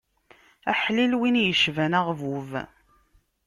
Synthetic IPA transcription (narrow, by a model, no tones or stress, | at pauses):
æħlilwinjəʃvænæʁvuv